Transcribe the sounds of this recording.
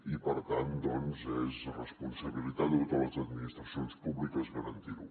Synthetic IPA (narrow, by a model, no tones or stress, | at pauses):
ipəɾt̪and̪ɔnzɛzrəspunsəβilit̪ad̪ət̪ot̪ələzəd̪minist̪ɾəsjonspuβlikəzɣəɾənt̪iɾu